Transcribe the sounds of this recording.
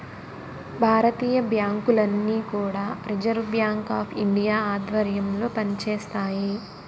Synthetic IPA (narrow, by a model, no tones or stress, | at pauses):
bʱaːɾɐt̪iːjɐbjaːŋkulɐnːiːkuːɽaːɾid͡ʒɐɾbjaːŋkaːpʰiɳɖijaːaːd̪ʋɐɾjɐmlo̞ːpɐnit͡ʃeːst̪aːji